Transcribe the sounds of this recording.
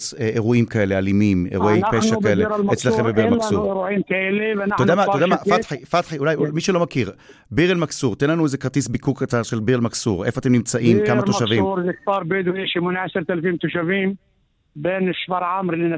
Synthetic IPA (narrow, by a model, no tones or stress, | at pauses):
eeʁuimkae̞lealimimḛʁuʔejpʃakːaeleɾlet͡sslaχembebiʁemaksuʁɾuʕiːmkaeliveatodamat̪odamafatħifat̪ħiulajumiʃulo̞makiʁ | biʁelmaksuʁt̪enlanuezekaʁt̪isbikukːat͡saʁʃelbiʁelmaksuʁʔe̞foat̪emnimt͡saʔimkamat̪oʃaʃvimːɾzɪktɑːɾˤbed̪ujiʃimʊnʕasɑɾt̪alfiːmt̪uʃaviːm | beːnɪʃfɑɾʕamɾɪlina